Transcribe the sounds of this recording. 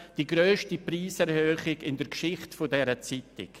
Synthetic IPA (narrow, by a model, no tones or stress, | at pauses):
d̥iɡɾøːʃtipriːsɛɾhøːχɪɡɪndəɾkʃɪχtfodɛɾət͡sitɪ̰k